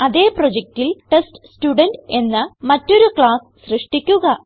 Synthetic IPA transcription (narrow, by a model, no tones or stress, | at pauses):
ɐðeːpro̞d͡ʑek̚ʈilʈesʈstuɖɐnɖe̞nːɨmɐtːo̞ɾukɭaːs | ɕrɨʂʈikʲːuɣɐ